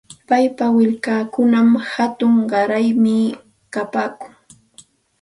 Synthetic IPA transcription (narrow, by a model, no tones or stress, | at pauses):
pajpawɪʎkaːkʊnamhat̪ʊŋɢɑɾajmɪ | kapaːkʊŋ